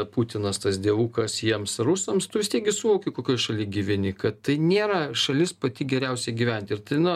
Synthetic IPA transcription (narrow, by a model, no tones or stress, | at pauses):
put̪ʲɪnɐst̪ɐsd̪ʲiɛʋuːkɐsjiɛmsrʊsoːmst̪ʊʋʲɪsʲt̪ʲiɛk̚ɡʲɪsʊʋoːkʲɪkoːkʲoːjʃɐlʲiːɡʲiʋʲɪnʲɪkɐtt̪ɐɪnʲeːɾɐʃɐlʲɪspɐt̪ʲɪɡʲɛɾʲɛʊsʲɛɪɡʲiːʋʲɛnʲt̪ʲɪɪrt̪ɐɪnʊ